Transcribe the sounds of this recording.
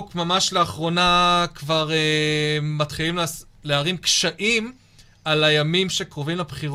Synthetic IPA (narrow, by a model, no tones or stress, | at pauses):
kmamaʃleaχʁo̞nakvaʁemat̪χiliml | leaʁimkʃaʔim | alajamimʃekʁovimlabχi